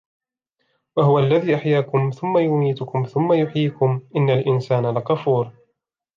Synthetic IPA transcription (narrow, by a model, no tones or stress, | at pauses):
waɦʊwaʔlːaðiːʔaħjaːkʊmθʊmːajʊmiːt̪ʊkʊmθʊmːajʊħiːkʊmʔɪnːalʔɪnsaːnalaqɑfuːɾ